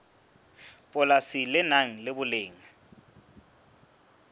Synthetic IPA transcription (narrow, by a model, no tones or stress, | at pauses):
pʼɔlasilɪnaŋ̩lɪbʊleːŋa